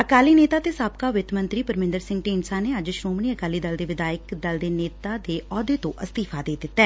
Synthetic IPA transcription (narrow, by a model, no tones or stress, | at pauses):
əkaːliːneːt̪aːt̪eːsaːp̚kaːʋɪt̪mə̃nt̪ɾiːpəɾmɪ̃nd̪əɾsɪ̃ŋɡʈeːnsaːneːəd͡ʒʃɾoːmniːəkaːliːd̪əld̪eːʋɪd̪aːjəkd̪əld̪eːneːt̪aːd̪eːʔɔːd̪eːt̪õ̰ːʔəst̪iːfʰaːd̪eːd̪ɪt̪ːɛː